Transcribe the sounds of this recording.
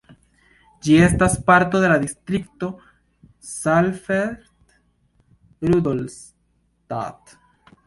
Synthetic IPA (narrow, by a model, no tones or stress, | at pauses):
d͡ʒie̞staspaɾto̞delad̪ist̪ɾik̚to̞ | salfeɾt̪ | ɾud̪ols | ta̰t